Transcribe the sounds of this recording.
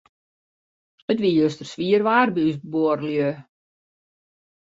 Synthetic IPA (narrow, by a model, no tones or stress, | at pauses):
ətʋiəjøstərsʋiərʋaːrbəysboəɾljø